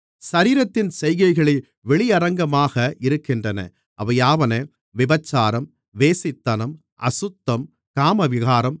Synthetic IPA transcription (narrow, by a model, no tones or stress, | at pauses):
sɐɾiːɾɐt̪ːɪnsɛjɣɐɪɣɐɭɪ | ʋɛɭɪɐɾɐŋɡɐmaːɣɐʔɪɾɯkːɪndrɐnɐ̰ | ʔɐʋɐjaːʋɐneː | ʋɪbɐt͡ʃːaːɾɐm | ʋeːsɪt̪ːɐnɐm | ʔɐ̰sʊt̪ːɐm | kaːmɐʋɪɣaːɾɐm